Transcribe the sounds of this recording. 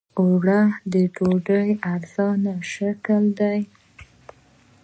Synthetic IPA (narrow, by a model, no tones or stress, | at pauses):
oɽahd̪əʈoɖəjaɾz̥ɑnaʃakəld̪aj